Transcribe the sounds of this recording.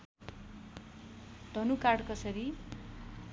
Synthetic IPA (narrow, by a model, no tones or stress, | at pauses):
ɖ̪̥ʱʌnukaɽkʌsʌɾi